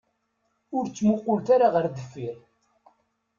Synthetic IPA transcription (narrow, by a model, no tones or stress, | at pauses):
ʊɾt͡sːmʊqːʊlt̪aɾaʁəɾd̪əfːiɾ